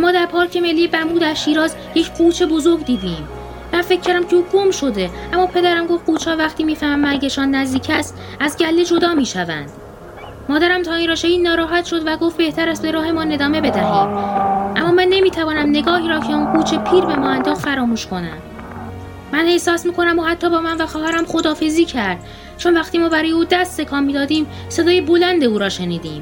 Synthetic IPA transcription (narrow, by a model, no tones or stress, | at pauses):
æmːɒːd̪æɾpʰɒːɾcʰe̞melːiːebæmuːd̪æɾʃiːɾɒːz | je̞cʰɡuːt͡ʃʰe̞bo̞zo̞ɾɡd̪iːd̪iːm | mænfe̞cʰːæɾd̪æmcʰeuːɡo̞mʃo̞d̪e̞æmːɒːpʰe̞d̪æɾæmɡo̞ft̪̚ɡuːt͡ʃʰɒːvæxt̪iːmiːfæmæmːæɾɟeʃɒːnːæzd̪iːcʰæst̪ | æzɟælːe̞d͡ʒo̞d̪ɒːmiːʃævæ̰nd̪̥ | mɒːd̪æɾæmt̪ʰɒːiːnɾræːʃeiːnɒːɾɒːɦæt̪ʃo̞d̪væɡo̞fbe̞ht̪ʰæɾæst̪be̞ɾɒːhe̞mɒːne̞d̪ɒːme̞be̞d̪æhḭːd̪̥ʔæmːɒːmænːe̞miːt̪ʰævɒːnæmne̞ɡɒːhiːɾɒːcʰe̞unkʰuːt͡ʃʰe̞pʰiːɾbe̞mɒːænd̪ɒːɣfæɾɒːmuːʃkʰo̞næ̰m | mænhe̞sɒːsmiːkʰo̞næmohæt̪ʰːɒːbɒːmænvæxɒːɦæɾæmχo̞d̪ɒːfe̞ziːcʰæɾd̪̥ | t͡ʃʰo̞nvæxt̪iːmɒːbæɾɒːjeuːd̪æst̪se̞kʰɒːmmiːd̪ɒːd̪iːm | se̞d̪ɒːjebo̞lænd̪e̞uːɾɒːʃe̞niːd̪iːm